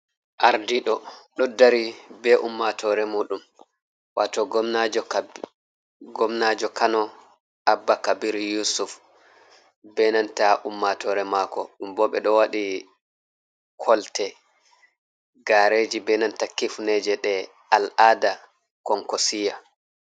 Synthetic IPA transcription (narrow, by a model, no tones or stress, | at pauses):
ʔaɾdiɗɔɗɔdaɾibɛʔumːatʰɔɾɛmuːɗum | wa̰tɔɡɔmnad͡ʒɔ | ɡɔmnad͡ʒɔkanɔ | ʔabːakabiɾjusuf | bɛnantaʔumːatɔɾɛmakɔɗumbɔɓɛ̰ɗɔwaɗi | kʰɔltɛ | ɡaɾeːd͡ʒibɛnantakifnɛd͡ʒɛɗɛ | alʔada | kɔŋkɔsija